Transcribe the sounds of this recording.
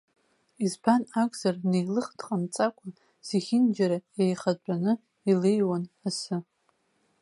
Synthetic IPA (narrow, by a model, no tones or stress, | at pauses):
izbanakʷʼz̥arnejlɨχd̥qʼamt͡sʼakʷʼa | z̥eχʲɪnd͡ʒaɾaejχad͡ʒʷʼanɨ | ilejwanasɨ